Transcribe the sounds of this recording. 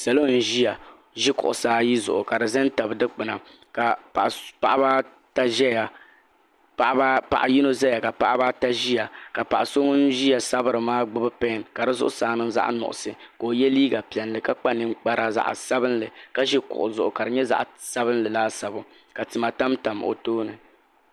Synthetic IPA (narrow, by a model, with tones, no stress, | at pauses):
sa˨lo˦n̩˦ʒi˦ja˨ | ʒi˦kʊ̰˨ʔʊ˨saː˦ji˦zʊ˨ʔʊ˨ka˨dɨ˨zɛ˦n˦ta˨bdɨ˦k͡pɨ˨na˨ | ka˨pa˨pa˨ʔa˦ba˦ | ta˦ʒɛ˦ja˨ | pa˨ʔba˦pa̰˨ʔa˨ji˦no˦zɛ˦ja˨ka˨pa˦ʔa˦ba˦ta˦ʒi˦ja˨ka˨pa˨ʔa˨so˦ŋ˦n̩˦ʒi˦a˨sa˦bɨ˦ɾɨ˨maː˦ɡ͡bɨ˦bɨ˦pɛ˦nka˨dɨ˦zʊ̰˦ʔʊ˦saː˨nɨ˦m˦za̰˦ʔnʊ̰˨ʔʊ̰˨sɨ˨koː˨jɛ˦liː˦ɡa˨pi˨ɛ˨n˨lɨ˦ka˦k͡pa˦nɨ˦ŋ͡mk͡pa˦ɾa˦za̰˨ʔsa˦bɨ˦nlɨ˨ka˦ʒi˦kʊ̰˨ʔʊ˨zʊ˨ʔʊ˨ka˨ɾɨ˨ɲɛ˦za̰˨ʔsa˦bɨ˦nlɨ˨laː˦sa˨bʊ˨ | ka˨tɨ˨ma˨ta˦mta˨m˨o̰˨toː˦nɨ˨